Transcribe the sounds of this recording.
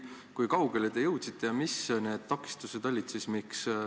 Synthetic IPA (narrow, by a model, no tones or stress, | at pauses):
kujkɑwɡe̞led̪e̞jɤwt̪sit̪ʰːˑe̞jɑmisne̞ːd̪̥t̪ɑkːˑi̥st̪use̞d̪ɑlʲːit̪sismiks